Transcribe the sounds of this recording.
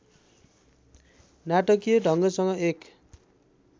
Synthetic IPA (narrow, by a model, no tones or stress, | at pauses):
naʈʌkijʌɖʱʌŋɡʌsʌŋʌek